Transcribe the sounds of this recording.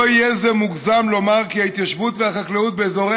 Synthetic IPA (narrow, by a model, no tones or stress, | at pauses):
oijezemuɡzamlo̞maʁkihait̪jaʃvut̪vehaχakleut̪̚beːzo̞ʁe